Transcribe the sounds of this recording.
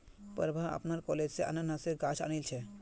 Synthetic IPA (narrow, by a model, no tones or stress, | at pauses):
pə̰ɾbʱaa̰pnaɾkɔled͡ʑseʔa̰nanaseɡat͡ʃʰa̰nilt͡ɕʰe